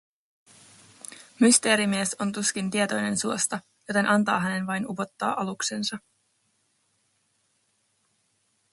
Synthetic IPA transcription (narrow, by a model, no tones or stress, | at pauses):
myst̪e̞ːɾimieso̞nt̪usk̟int̪iet̪o̞jne̞nsuost̪ɑ | jo̞t̪e̞nʔɑnt̪ɑːɦæne̞nʋɑjnupo̞t̪ːɑ̰ːʔɑluksensɑ